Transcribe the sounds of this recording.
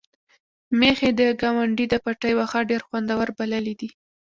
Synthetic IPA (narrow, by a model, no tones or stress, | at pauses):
mexed̪əɡawaɳɖid̪əpaʈəjwaxaɖeɾxwand̪awaɾbaləlid̪i